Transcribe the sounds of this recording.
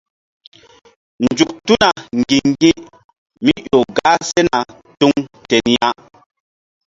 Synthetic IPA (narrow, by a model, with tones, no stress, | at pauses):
nd͡ʒu˨k̚tu˦na˨ŋɡi˨ɡi˦ʔ | mi˦jo˨ɡa˦se˦na˨ | tu˦ŋte˨nja˦